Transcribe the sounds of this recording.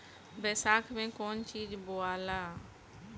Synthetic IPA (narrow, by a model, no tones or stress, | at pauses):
bɛːsaːkʰmẽːkoːnt͡ʃiːd͡ʒboaːlaː